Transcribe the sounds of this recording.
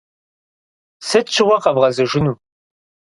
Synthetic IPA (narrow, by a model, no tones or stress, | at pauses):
sɨtt͡ʃʰɪwʷɐqɐvʁɐzɨʒʷɪnuː